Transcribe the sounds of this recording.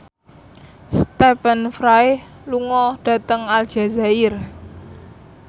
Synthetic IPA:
st̪epənfɾaɪh | luŋɔɖ̥ä̤t̪əŋal̥ʒ̥a̤zaɪr

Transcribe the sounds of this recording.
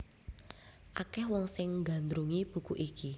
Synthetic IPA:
ʔakɛhwɔŋsɪŋɡa̤nd̪ɾuŋib̥ṳkuʔiki

